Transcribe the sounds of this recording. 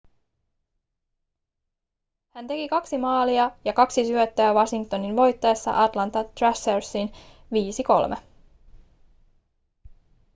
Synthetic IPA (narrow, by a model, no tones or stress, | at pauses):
hænt̪e̞kikɑksimɑːliɑjɑkɑksisyøt̪ːæːʋɑsiŋkt̪o̞ninʋo̞jt̪ːɑesːɑ̰ʔɑt̪lɑnt̪ɑt̪ræseɹsːin | ʋiːsiko̞̰lmʔe